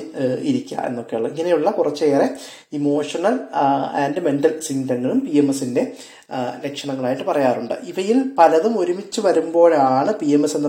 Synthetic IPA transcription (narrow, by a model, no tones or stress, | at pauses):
iɾikʲːɐ̰ʔe̞̰nːo̞kːe̞uɭːɐmiŋːɐne̞juɭːɐkurɐt͡ɕːeːre̞ | imo̞ːʂɐnɐlaːndɨme̞ɳʈɐlsiŋdeŋɡɐɭumpiemesinde̞ | le̞kʂɐɳɐŋːɐɭaːjiʈːɨpɐrɐjaːruɳɖɨ̰ʔiʋɐjilpɐlɐðumo̞ɾumit͡ɕːuʋɐɾumbo̞ːɭaːɳɨpiemːɐsend̪